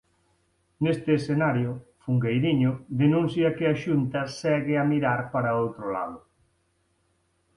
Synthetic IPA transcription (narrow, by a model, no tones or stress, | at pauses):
nest̪ɪːsθenaɾjʊfuŋɡejðiɲʊðenũn̟θjɐkɪɐʃunt̪ɐsɛɣɪɐmiɾaɾpaɾɐowt̪ɾʊla̰ðʊ